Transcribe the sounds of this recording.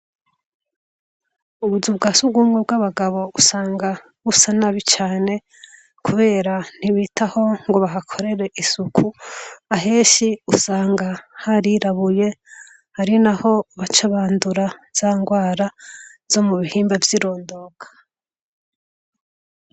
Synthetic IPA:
uβuzubɡasubɡuːmŋebɡaβaɡaβo̞usaːŋɡa | βusanaβit͡ʃaːne̞ | kʰuβe̞ːɾan̥iβitʰaho̞ŋɡo̞βaɦakʰo̞ɾe̞ɾe̞ʔisukʰuaɦe̞ːʃiusaːŋɡahaɾiɾaβuje̞ | haɾinaho̞βat͡ʃaβaːnduɾaz̥aːŋɡwaːɾavzo̞muβihiːmbavjiɾo̞ːndo̞kʰḁ

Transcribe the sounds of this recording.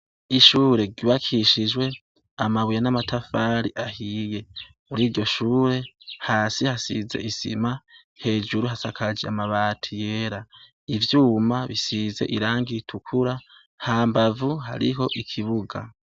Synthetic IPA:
iʃuːɾe̞ɡiβakʰiʃid͡ʒwe̞ | amaβujanamatʰafaːɾiʔahije̞ | muɾiːɾɟo̞ʃuːɾe̞haːsihasize̞̰ʔisḭma | he̞ːd͡ʒuɾuɦasakʰad͡ʒeamaβaːtʰije̞ːɾa | ivjuːmaβisize̞̰ʔiɾaːŋɡitʰukʰuɾa | haːmbavuɦa̰ɾḭɦo̞ʔikʰiβuɡa̰

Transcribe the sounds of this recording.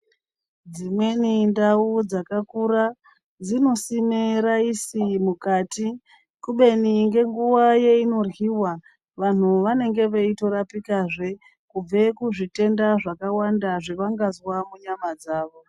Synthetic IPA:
d͡zimwe̞nindaud͡zakakura | d͡zino̞simeɾaisimukaːti | kuɓe̞niŋɡe̞ŋɡuʋaje̞ino̞rwiwa | ʋan̤uʋane̞ŋɡe̞ʋeito̞ɾapikaʐe̞ | kub͡ve̞kuʐite̞ndaʐakawandaʐeʋaŋɡazwamuɲamad͡zaːʋo̞

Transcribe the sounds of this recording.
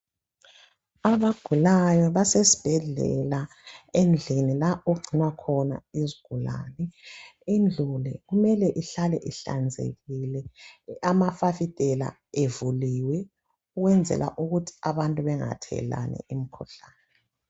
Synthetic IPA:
aβaɡ̥ʱulajɔβasesi̥b̥ʱɛɮɛ̰la | end͡ɮʱinilaoɡ͡ǀʱinwakʰɔna̰iziɡ̥ʱula̰ːnɛind͡ɮʱulɛɣumɛlɛʔiɬalɛʔiɬa̰nd͡zʱḛɣilɛamafafitʼɛla̰ | evuliːwɛ | uɣwɛnd͡zʱɛ̰lʔa̰ʔuɣutʰi̥aβantʼuβɛŋa̰tʰɛ̰la̰nɛ̰im̩kʰuɬaːnɛ

